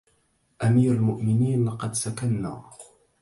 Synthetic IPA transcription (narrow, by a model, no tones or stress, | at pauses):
ʔamiːɾalmʊʔmɪniːnlɑqɑd̪sakanːa̰ː